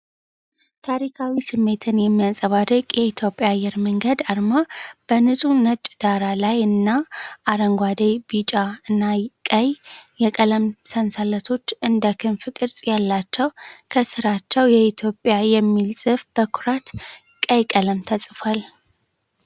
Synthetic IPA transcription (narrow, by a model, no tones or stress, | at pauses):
t̪ʰaɾikʰawisɨmːe̞t̪ʰɨnjɛmːijasʼəβad̪əkʼjɛit̪ʰjo̞pʼjaːjːɛɾməŋɡəd̪aɾmab̥ənɨsʼunət͡ʃʼd̪aɾalajɨnːaːɾəŋɡʷad̪ejbit͡ʃʼaɨnːakʼəjjɛkʼələmsənsalət̪ʰo̞t͡ʃːɨnd̪əkʰɨnfɨkʼɨɾsʼjalːat͡ʃːɛwkʰəsɨɾat͡ʃːɛwjɛit̪ʰjo̞pʼjajɛmːilsʼɨfb̥əkʰʊɾat̪ | kʼəjkʼələmt̪ʰəsʼfal